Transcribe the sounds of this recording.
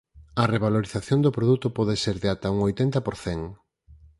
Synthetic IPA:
ɐreβ̞aloɾiθaθjond̪opɾoðut̪ʊpɔðeseɾðeat̪ɐuŋojt̪ent̪ɐpoɾθeŋ

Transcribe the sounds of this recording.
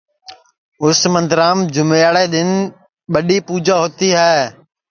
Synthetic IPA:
ʊsmə̃nd̪ɪɾaːmd͡ʒʊmeaːɽeːɗ̪ɪn | ɓəɗiːpuːd͡ʒaːɦoːt̪iːɦɛː

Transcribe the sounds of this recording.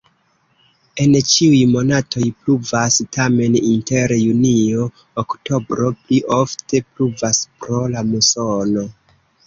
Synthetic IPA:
e̞nt͡ʃiujmo̞natʰo̞jpluvastame̞ninte̞ɾjunio̞ː | kto̞bɾo̞pliʔofte̞pluvaspɾo̞lamuso̞no̞

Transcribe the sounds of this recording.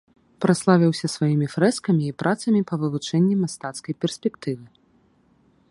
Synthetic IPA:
pɾaslˠavʲiwsʲɐsvajimʲifɾɛskɐmʲiːpɾʔat̪sɐmʲipɐvɨvut͡ʂɛnʲːimast̪at̪skɐjpʲɛrsʲpʲɛkt̪ɨvɨ

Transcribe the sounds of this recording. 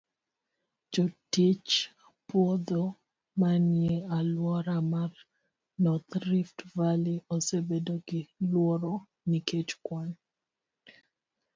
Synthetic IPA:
d͡ʒotit͡ʃapwɔd̪ɔ | manjealwɔɾamar | nɔt̪ɾiftvaliɔsebedoɡɪlwɔɾɔ | niket͡ʃkwan

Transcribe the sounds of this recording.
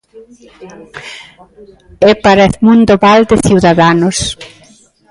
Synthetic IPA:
ɛpaɾaeθmund̪oβald̪ɪθiwðaðanos

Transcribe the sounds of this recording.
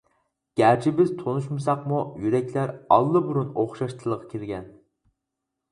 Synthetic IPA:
ɡ̥ʲæɾt͡ʃʰibɪzt̪ʰonuʃmɨs̬ɑqmujyɾɛkʲlæɾɑ̰lˠːɨbuɾunoχʃɑʃt̪ʰɨlˠəʁɑkʲʰiɾɡʲɛn

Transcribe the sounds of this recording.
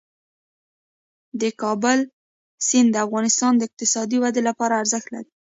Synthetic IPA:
d̪əkɑbəl | sɪnd̪əafɣɑnɪst̪ɑnd̪əɪq̚t̪ɪsɑd̪iwad̪elapɑɾaːɾzəxt̪la̰ɾi

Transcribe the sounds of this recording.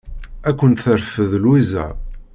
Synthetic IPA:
ækʷːənt̪θəɾfəðlwizæ̰

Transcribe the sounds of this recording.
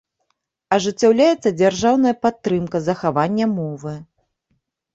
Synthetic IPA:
ɐʐɨt͡sʲːawlʲajɛt̪sːɐd͡zʲarʐawnɐjɐpat̪ːɾɨmkɐzɐxavanʲːɐmɔvɨ

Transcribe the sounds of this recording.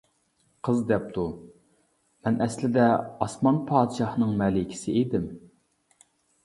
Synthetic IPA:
qʰəzd̪ɛp̚t̪ʰu | mɛnʔɛslɪd̪ɛɑsmɑnpʰɑːd̪ɨʃɑhnɨŋmɛːlɪkʲʰɪ̥sɪed̪ɪm

